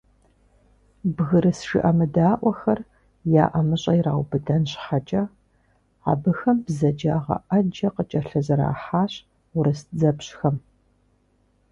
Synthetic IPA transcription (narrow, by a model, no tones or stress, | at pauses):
bɣɨɾɨsʒɪ̰ʔɐmɨdaːʔʷɔxɐr | ja̰ːʔɐmɨɕʼɐjɾa̰ːwbɨdɐnɕħat͡ʃʼɐ | a̰ːbɨxɐmbzɐd͡ʒaːʁɐ̰ʔɐd͡ʒɐqət͡ʃʼɐɬɐzɨɾa̰ːħaːɕ | ʊɾɨsd͡zɐpɕxɐm